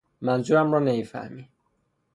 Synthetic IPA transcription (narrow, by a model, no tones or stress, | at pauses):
mænzuɾæmrɔːnemifæ̰hmi